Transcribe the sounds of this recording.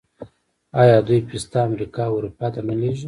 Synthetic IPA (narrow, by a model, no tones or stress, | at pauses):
ɑjɑd̪ujpist̪aːmɾikɑɾupɑt̪anəleʒi